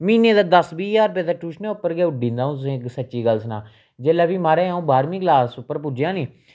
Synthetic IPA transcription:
miːnẽːd̪aːd̪əsbiːjaːɾp̬ɛːd̪aːʈuːʃnẽːʊpːəɾɡɛːʊɖĩːnd̪aːũːt̪sːksətːʃiːɡəlsnãː | d͡ʒeːlaːbiːmaːɾeːũːbaːɾmĩːɡlaːsʊpːəɾpʊd͡ʒjãːniː

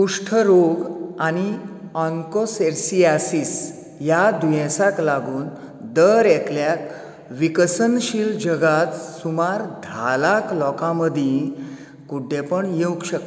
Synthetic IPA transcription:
puʂʈʰəɾoɡañiɔŋkoseɾsiasis | jad̪ujɛ̃saklaɡuːn | d̪əɾɛkʰljak | ʋikəsənɕild͡ʑəɡat̪sumaɾd̪ʱalaklɔkãməd̪ʱĩ | kuɖʱːepəɳjewkɕək̪

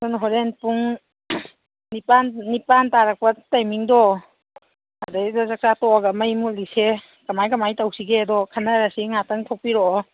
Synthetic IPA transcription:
dɔnɦɔɾenpuŋ | nipannipantaɾak̚pɐtajmiŋdɔ | adadɔzak̚satɔɡamajmulise | kamajkamajtawsiɡedɔkʰanaɾasiŋataŋtʰɔk̚piɾɔ

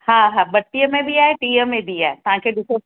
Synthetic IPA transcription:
ɦaɦabɐʈːijəmẽbʱiaːɦeʈiːəmẽbʱiaːɦet̪ɐʋ̤ãkʰeːɗʊso

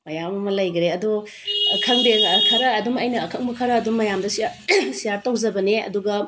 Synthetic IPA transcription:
mɐjamɐmɐlɐjɡɐɾeɐdo | kʰɐŋdeŋkʰɐɾɐːdumɐjnɐːkʰɐŋ̚mɐkʰɐɾɐːdumːɐjamdɐsiɐsijaɾtɐwzɐbɐneɐ̰duɡɐ

